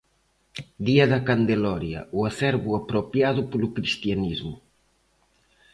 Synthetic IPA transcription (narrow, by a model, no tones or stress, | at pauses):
d̪iɐðɐkand̪elɔɾjɐ̰ʔuasɛɾβuapɾopjaðupolukɾist̪ianizmʊ